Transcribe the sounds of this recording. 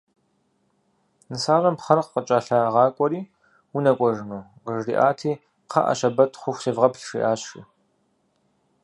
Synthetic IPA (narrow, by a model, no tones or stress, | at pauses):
nɨsaːrɐmpχɐrqqət͡ʃʼaɬaʁɑːkʷʼɔɾiː | wunɐkʷʼɔʒɨnuː | ʁəʐrḭːʔaːtʰiː | qʰɐ̰ʔɐ̰ɕɐbɐtʰχʷʊxʷseːvʁɐpɬʂḭʔaːɕḭ